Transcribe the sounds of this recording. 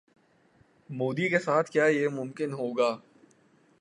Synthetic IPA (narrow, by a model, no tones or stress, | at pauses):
moːd̪ikesaːt̪ʰkjaːjemʊ̃mkɪnɦoːɡaː